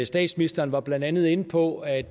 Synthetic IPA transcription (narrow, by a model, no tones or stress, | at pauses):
sd̥ɛ̰ːd̥sminisd̥ɐːnʋɑ̈b̥lænd̥ænð̞ˠe̝npʰɒ̽æ̥